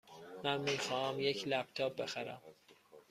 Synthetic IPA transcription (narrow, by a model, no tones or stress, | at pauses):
mænmiːxɒːhæmjecʰlæp̚t̪ʰɒːb̚be̞xæɾæ̰m